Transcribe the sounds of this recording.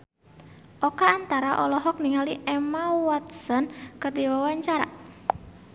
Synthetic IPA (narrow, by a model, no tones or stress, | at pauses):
ʔɔkaːnt̪aɾaʔɔlɔɦɔk̚niŋaliʔɛmawɔt̪̚sɔnkɨrdiwawaɲt͡ʃaɾa̰